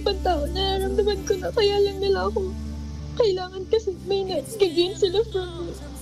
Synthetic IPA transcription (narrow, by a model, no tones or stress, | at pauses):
pɐnt̪aʔonɐɾaɾɐmd̪ɐmɐnkʊnɐkɐjaːlɐŋnɪlaʔɐko̞ | kɐʔɪlaːŋɐnkɐsɛmɐjnɐɡɐɡɪnsɪlafɾɐŋ